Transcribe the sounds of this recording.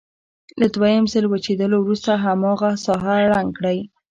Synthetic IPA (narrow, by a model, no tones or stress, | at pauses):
lad̪wajəmsəlwat͡ʃed̪əlowɾust̪aɦamɑɣasɑɦaɾaŋɡkɽaj